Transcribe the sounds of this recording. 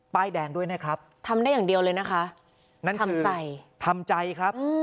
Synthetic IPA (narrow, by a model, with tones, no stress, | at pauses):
paː˧jdɛː˨˩ŋdu˥˩əjna˦˥˩kʰɾa˦˥p̚t̪ʰa˧mda˥˩jaː˨˩ŋdi˧əwlɤː˧jna˦˥kʰa˦˥ʔ | na˥˩nkʰa˧kɯː˧t͡ɕaa˧jt̪ʰa˧mt͡ɕa˧jkʰɾa˦˥pʔ̚ɯː˧